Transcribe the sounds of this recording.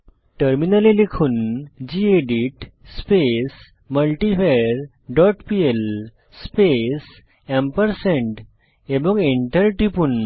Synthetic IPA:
ʈəɾminalilekʰuːnd͡ʑieɖiʈspes | məlʈifeɾ | ɖɔʈpiel | spes | ẽmpəɾsẽɳʈ | ebɔ̃ŋɡiɳʈəɾʈipun

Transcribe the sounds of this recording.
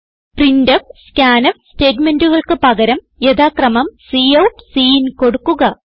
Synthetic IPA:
prindɐfskʲaːnɐmste̞ːdmenduɣɐɭkɨpɐɣɐɾɐm | jed̪aːkrɐmɐmsiɐwpsiːnko̞ɽukːuɣɐ

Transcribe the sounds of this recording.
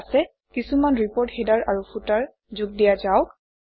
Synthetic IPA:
sɛ | kisumanɹipɔɹthedaɹaɹupʰutaɹ | zuɡ̚dijazaʊk̚

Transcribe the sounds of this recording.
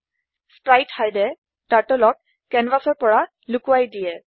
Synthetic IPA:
spɹajthajdɛ | taɹtɔlɔk | kɛnbasɔɹpɔɹa | lʊkʊwajdijɛ

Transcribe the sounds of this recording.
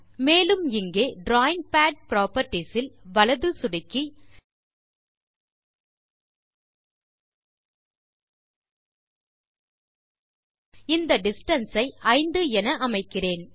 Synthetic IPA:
meːlɯmɪŋɡeːɖɾaːjɪŋɡ̚paːɖ̚pɪɾaːpɐɾʈːisɪlʋɐɭɐðɯsʊɽɪkːi | ɪnd̪ɐɖɪsʈɐnsɐɪʔɐɪnd̪ɯɛnɐʔɐmɐɪkːɪreːn

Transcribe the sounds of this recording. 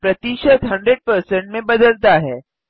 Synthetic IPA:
pɾɐt̪iʃət̪ɦɐ̃ɳɖɾeɖ̚pəɾsẽɳʈmẽbɐd̪əlt̪aɦɛː

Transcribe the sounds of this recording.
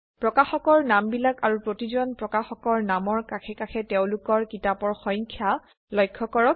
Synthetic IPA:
pɹɔkaxɔkɔɹnambilakaɹupɹotizɔnpɹɔkaxɔkɔɹnamɔɹkakʰɛkakʰɛteʊ̃lʊkɔɹkitapɔɹxɔjŋkʰja | lɔjkʰːɔkɔɹɔk̚

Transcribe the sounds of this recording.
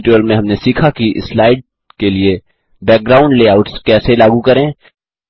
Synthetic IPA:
ʈuːəlmẽɦɐmnesiːkʰakiʔɪ̰slaːɪɖ̚ | kelie | bɛːk̚ɡɾaːʊ̃ɳɖleːaːʊʈskɛːselaːɡukɐɾẽː

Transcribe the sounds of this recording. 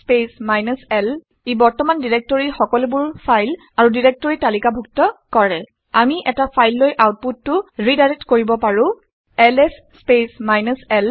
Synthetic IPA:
spesmajnɔsɛl | ebɔɹtɔmandiɹek̚tɔɹixɔkɔlebʊɹpʰajl | aɹudiɹek̚tɔɹitalikabʱuk̚tɔkɔɹɛ | amiʔɛtapʰajlːojʔawt̚pudːʊɹidaɹetkoɹibɔpaɹʊ̃ | ɛlɛsːpesmajnɔsɛl

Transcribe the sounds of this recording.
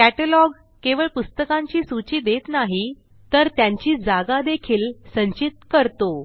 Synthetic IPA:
kæʈəlɔɡ | keʋəɭpust̪əkãɲt͡ɕiːsut͡ɕiːd̪et̪naɦi | t̪əɾt̪jaɲt͡ɕiːd͡zaɡad̪ekʰiːlsəɲt͡ɕit̪kəɾt̪o

